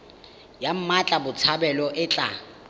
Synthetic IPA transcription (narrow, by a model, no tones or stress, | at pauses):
jam̩mat͡ɬʼabʊt͡sʰabɛlɔʔɪt͡ɬʼa